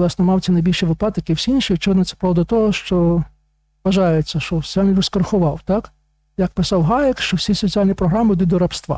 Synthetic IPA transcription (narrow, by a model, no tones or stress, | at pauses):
lˠɑsnɔmɑwt͡sʲɐnɐjbʲilʲʃiʋɪplˠɑt̪ɪkiwsʲiinʃiit͡ʃɔʋɪd̪nɔt̪sɛ̥pɾɔʋd̪ɐt̪ɔɦɔʃt͡ʃɔ | ʋɐʒɑjet͡sʲːɐʃt͡ʃɔsɔ̥t͡sʲialʲniɔskɐrxʊʋɑwt̪ɑk | jɐk̚pɪsɑwɦɑjɪkt͡ʃɔwsʲisɔt͡sʲialʲnʲipɾɔɦɾamɪd̪ʊd̪ɔɾɐpst̪ʋɑ̰